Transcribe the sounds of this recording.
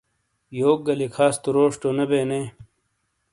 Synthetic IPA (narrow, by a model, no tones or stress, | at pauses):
joːk̚ɡɐlikʰaːst̪uɾoːʂʈonɐbeːneː